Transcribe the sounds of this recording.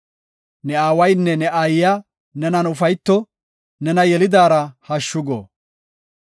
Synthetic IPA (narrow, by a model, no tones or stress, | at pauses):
nɛaːwɐjnːɛnɛʔaːjɪja | nɛnɐnʊfɐjt̪ːɔ | nɛnɐjɛlɪd̪aːɾɐhɐʃːʊɡo̰ː